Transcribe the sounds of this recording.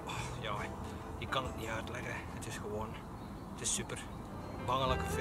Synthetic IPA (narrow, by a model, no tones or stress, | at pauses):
ɔjɑː | jəkɑnətniœɥtlɛxəətɪsxəʋoːn | ətɪsːypər | mɑŋələkəf